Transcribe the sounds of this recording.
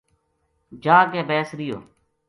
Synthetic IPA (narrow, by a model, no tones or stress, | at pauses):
d͡ʒaːkeːbeːsɾɪjo̰ː